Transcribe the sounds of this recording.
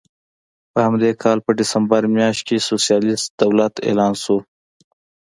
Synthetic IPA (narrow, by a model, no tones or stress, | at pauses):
pəhamd̪ekʰɑlpəɖɪsəmbəɾmjɑːʃt̪̚kesosijɑːlɪsd̪̥awlat̪ḛːlɑːnsu